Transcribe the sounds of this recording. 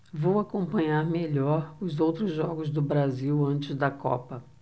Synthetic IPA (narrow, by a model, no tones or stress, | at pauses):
vowakõmpɐ̃ɲaɾmeʎɔɾʊzowt̪ɾʊzʒɔɡʊzd̪ʊbɾaziwɐ̃nt͡ʃɪzd̪ɐkɔ̰pɐ